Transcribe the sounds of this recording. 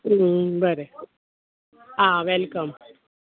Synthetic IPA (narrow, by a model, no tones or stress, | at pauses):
bəɾe | ɦãʋɛlkəm